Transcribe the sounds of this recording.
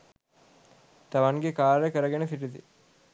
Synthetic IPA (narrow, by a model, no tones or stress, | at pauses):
t̪aʋaŋɡekaːɾjəkəɾəɡenefiʈid̪ḭ